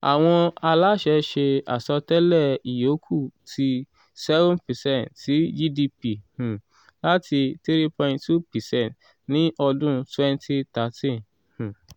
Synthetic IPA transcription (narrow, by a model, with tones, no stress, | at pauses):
a̰˨w̃ɔ̃˧a˧la˦ʃɛ˧˦ʃe˧a̰˨sɔ˧tɛ˦lɛ˦˨i˨jo˨˦kʰu˦˨tʰi˧ | sɛ˦vɔ̃˦npɛ˨sɛ̃˦˨ntsi˨˦d͡ʒi˦di˧pi˨h̩˨ | la˦tʰi˧ti˦ɾi˦pɔ̃˧˨ĩntʰu˦pɛ˨sɛ̃˦˨nt | nĩ˦ʔɔ˧dũ˦twɛ̃˦n˦tʰi˦ta˨˦tĩ˦n | h̩˨